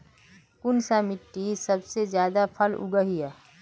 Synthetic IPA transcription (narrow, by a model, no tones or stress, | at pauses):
kʊnsamɪʈːisɐbsezjaːd̪apʰəlʊ̰ɡəɦijaː